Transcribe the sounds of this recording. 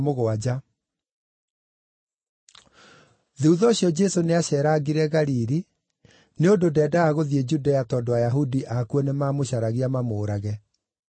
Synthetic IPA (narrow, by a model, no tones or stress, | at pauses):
moɣoad͡ʑa | ðeuðɔɕjɔd͡ʒɛsoneaɕɛːɾaːɡiɾɛɣaɾiɾi | neondodɛːdaaɣoðied͡ʑudajatɔdɔwajaɦudiʔakuɔnemaːmoɕaɾaɣiamamoːɾaɣɛ